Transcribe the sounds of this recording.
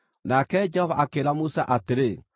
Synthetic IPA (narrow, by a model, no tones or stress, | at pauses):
nakɛd͡ʒɛhɔvaʔakeːɾamusaʔateɾe